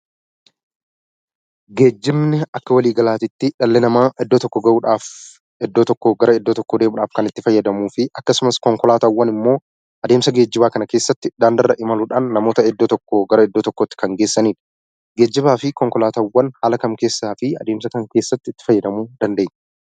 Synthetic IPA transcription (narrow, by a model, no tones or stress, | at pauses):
ɡe̞ːd͡ʒːɪmnɛɐkːɐwɐliːɡɐlaːt̪ɪt̪ːɪᶑɐlːɛnɐmaːʔɛd̪ːot̪ɔkːɔɡɐʔuːᶑaːf | ɛd̪ːoːt̪ɔkːɔɡɐɾɐɛd̪ːoːt̪ɔkːod̪e̞ːmʊᶑaːfkɐnɪt̪ːɪfɐjːɐd̪ɐmuːfɪʔɐkːɐsʊmɐskɔŋkɔlaːt̪awːɐnɪmːo̞ː | ʔɐd̪e̞ːmsɐɡe̞ːd͡ʒːɪbaːkɐnɐke̞ːsːɐt̪ːɪd̪aːnd̪ɐrːɐʔɪmɐluːᶑaːnːɐmo̞ːt̪ɐɛd̪ːoːt̪ɔkːoɡɐɾɐɛd̪ːoːt̪ɔkːɔt̪ːɪ̥kɐŋɡeːsːɐniːᶑɐ̥ | ɡe̞ːd͡ʒːɪβaːfɪkɔŋkɔlaːt̪awːɐnhaːlɐkɐmke̞ːsːaːfɪɐ̰d̪e̞ːmsɐkɐŋke̞ːsːɐt̪ːɪɪt̪ːɪ̥fɐjːɐd̪ɐmuːd̪ɐnd̪e̞ːɲː